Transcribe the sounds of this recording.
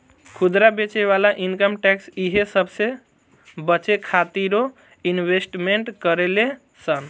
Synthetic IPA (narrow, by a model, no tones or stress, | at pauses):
kʰud̪ɾabet͡ʃeβalaʔinkəmʈɛksiɦesəbse | bət͡ʃekʰat̪iɾo | inbesʈmeɳʈkəɾele | sən